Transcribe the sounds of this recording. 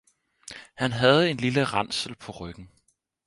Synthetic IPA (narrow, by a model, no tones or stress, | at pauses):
hænɦæð̞̩ˠe̝nliləʁɑ̈n̰sl̩pʰɒ̽ʁœɡ̥n̩